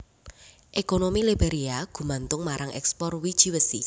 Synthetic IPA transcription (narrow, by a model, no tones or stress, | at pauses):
ʔekonomilib̥eɾiaɡ̥ṳmant̪ʊŋmaɾaŋʔɛ̰kspɔrwid̥ʒ̥iwəsi